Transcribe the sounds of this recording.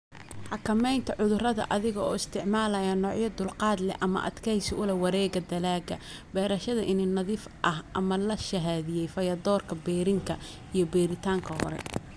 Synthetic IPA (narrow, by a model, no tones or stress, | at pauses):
ħɑkʰɐmɛjnt̪ʰɐʕʊðʊrɐðɐ̰ʔɐðɪɣɔɔːɪst̪ʰɪʕmaːlɐjɐnɔːʕjɐd̪ʊlqɑːd̪lɛ̰ʔɐmɐ̰ʔɐ̰d̪kʰɛjsɪʊlɛwɑɾɛːɣɐd̪ɐlaːɡɐ̰ | bɛːɾɐʃɐðɐʔɪnɪnɐðiːf | ʔɐhʔɐmɐlɐʃɐɦaːðɪjɛjfɐjɐd̪ɔːrkʰɐbɛːɾɪŋkʰɐ | ijɞbɛːɾɪt̪ʰaːŋkʰɐhɔ̰ɾɛ̰